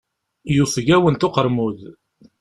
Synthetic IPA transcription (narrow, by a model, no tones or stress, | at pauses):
jufʝæwənt̪oqəɾmuð